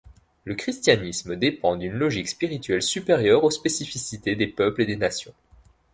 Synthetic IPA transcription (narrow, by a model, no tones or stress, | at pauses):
ləkχist̪janisməd̪epɑ̃d̪ynlɔʒikspiʁit̪ɥɛlsypeʁjœʁospesifisit̪ed̪epœpled̪enasjɔ̰̃